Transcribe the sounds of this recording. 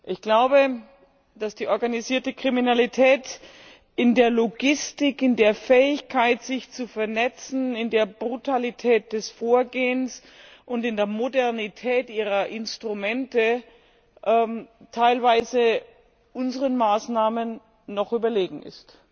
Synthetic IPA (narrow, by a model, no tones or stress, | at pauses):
ʔɪçɡ̥laʊbə | d̥asd̥iːʔɔɐɡaniziːɐtəkʁ̥iminalitʰɛːt | ɪndeːɐloɡɪstɪkɪndeːɐfɛːɪçkʰaɪtz̥ɪçt͡sufɛɐnɛt͡sn̩ɪndeːɐbʁutʰalitʰɛːt̚d̥ɛsfoːɐɡeːəns | ʔʊntɪndeːɐmodɛɐnitʰɛːtʔiːʁ̞ɐʔɪnstʁ̥umɛntə | ʔɛmtʰaɪlvaɪzə | ʔʊnzəʁənmaːsnaːmənː | ɔχʔyːbɐleːɡŋ̩ɪ̰st